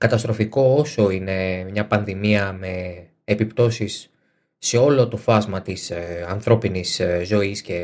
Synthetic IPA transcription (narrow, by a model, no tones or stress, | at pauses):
kɐt̪ɐst̪ɾo̞fiko̞oso̞ine̞mɲɐpɐnðimiɐme̞ː | pipt̪o̞sisː | e̞o̞lo̞t̪o̞fɐzmɐt̪isɐnθɾo̞piniszo̞isce̞